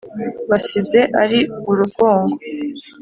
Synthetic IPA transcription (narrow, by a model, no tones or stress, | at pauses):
βasize̞ʔaɾiβuɾuɡo̞ːŋɡo